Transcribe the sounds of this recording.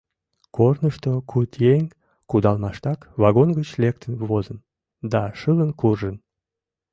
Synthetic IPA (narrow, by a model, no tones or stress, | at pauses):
kornəʃt̪okʰut̪jeŋ | kud̪ɑlmɑʃt̪ɑkβɑɣonɡət͡ɕlek̚t̪ʰənβozən | d̪ɑʃələnkurʒən